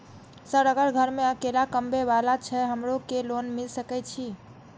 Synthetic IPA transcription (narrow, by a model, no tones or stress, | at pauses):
səɾəɡəɾɡʱəɾmeəkelakəmbʱeʋalat͡ʃʰɛɦəmɾokelonmilsəkɛt͡ʃʰi